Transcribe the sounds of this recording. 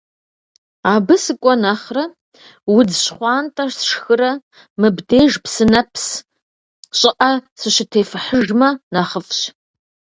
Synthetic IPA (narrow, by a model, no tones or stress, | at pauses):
aːbɨsɨkʷʼɔnaχrɐ | wʊd͡zʃχʷɑːntʼarsʂxɨɾɐ | mɨbdejʐpʰsɨnɐpʰs | ɕʼɪʔasɨʃɪtʰeːfɨħəʐmɐnaχəfɕ